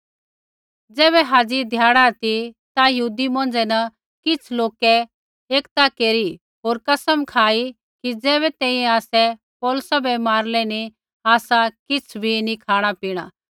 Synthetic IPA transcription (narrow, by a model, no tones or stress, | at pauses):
d͡zɛːβɛɦaːd͡zid̪ʱjaːɽat̪it̪ajɐɦuːd̪imõːnd͡ʒɛnɐ | kɪt͡sʰloːkɛ | eːkt̪akeːɾi | ɦoːɾkɐsəmkʰaːi | kid͡zɛːβɛt̪ɛ̃ːĩɛ̃aːsɛ | pɔːlʊsabɛmaːɾlɛni | aːsakɪt͡sʰbʱinĩkʰaːɽ̃apiːɽ̃a̰ː